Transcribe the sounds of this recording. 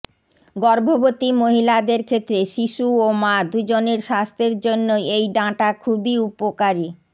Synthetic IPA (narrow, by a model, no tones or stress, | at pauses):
ɡɔɾbʱobot̪imoɦilad̪eɾkʰet̪ːɾeʃiʃuomad̪ud͡ʑoneɾʃast̪ʰeɾd͡ʑonːoejɖãʈakʰubiupokaɾi